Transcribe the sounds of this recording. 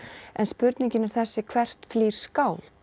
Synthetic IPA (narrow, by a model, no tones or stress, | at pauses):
ɛ̰nspʏɾt̪niɲcɪnɪɾ̥θɛsːɪkʰvɛr̥t̪fliːɾ̥skaːwl